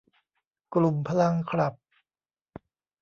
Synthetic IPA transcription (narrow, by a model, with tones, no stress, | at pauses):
klu˨˩mpʰa˦la˧ŋkʰɾa˨˩p̚